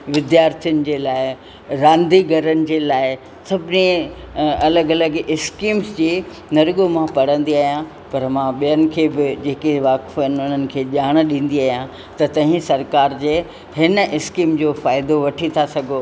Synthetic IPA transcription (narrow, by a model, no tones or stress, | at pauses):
ʋɪd̪jaːɾt̪ʰijənɪ̆d͡ʑeːlaːɪ | ɾãːnd̪iɡʱɐɾənɪ̆d͡ʑeːlaːɪ | sɐbʱɪne | ɐləɡɐləɡɪskiːmsd͡ʑiː | nɐɾɠomãpɐɽ̤ə̃nd̪iaːɦijã | pɐɾmãɓijənɪ̆kʰeːbɪd͡ʑeːkeʋaːkfənɪ̆ʊn̤ənɪ̆kʰeːʄaːɽ̃ɗĩːn̆d̪iaːɦijã | t̪ɐt̪ɐ̃ɦĩsɐɾkaːɾd͡ʑeː | ɦɪnəʔɪskiːmd͡ʑoːfaːɪd̪oʋɐʈʰit̪ʰasɐɡʱo